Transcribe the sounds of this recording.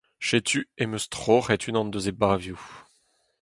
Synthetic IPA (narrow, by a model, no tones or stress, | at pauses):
ʃet̪yemøst̪χoχɛt̪ʰynɑ̃nd̪øzebavju